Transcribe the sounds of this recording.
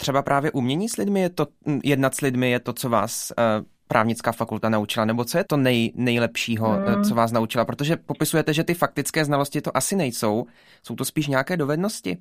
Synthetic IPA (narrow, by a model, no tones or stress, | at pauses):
t̪r̥ɛbapɾʔaːvjɛʔumɲɛɲiːslɪdmɪjɛt̪ojɛdnat̪slɪdmɪjɛt̪o̞t͡so̞va̰ːs | pɾʔa̰ːvɲɪt͡skaːfakult̪anaut͡ʃɪlanɛbo̞t͡sojɛt̪o̞nɛjnɛjlɛpʃiːɦo̞t͡so̞vaːs̬naut͡ʃɪlapɾot̪o̞ʒɛpo̞pɪsujɛt̪ɛʒɛt̪ɪfak̚t̪ɪt͡skɛːznalo̞scɪt̪oʔasɪnɛjso̞w | so̞wt̪ospiːʃ̬ɲɛjakɛːdo̞vɛdno̞scɪ̰